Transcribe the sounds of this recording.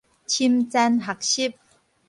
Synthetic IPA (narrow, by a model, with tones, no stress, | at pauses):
t͡ɕʰi˧˥mt͡sɛ˧˥nɦa˨k̚ɕi˥˨p̚